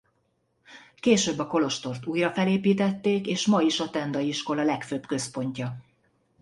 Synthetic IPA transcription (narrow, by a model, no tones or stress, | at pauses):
keːʃøːbːɒko̞lo̞ʃt̪o̞rt̪uːjrɒfɛleːpiːt̪ɛt̪ːeːkeːʃmɒiʃɒt̪ɛnd̪ɒjiʃko̞lɒlɛkføːbkø̞spo̞ɲcɒ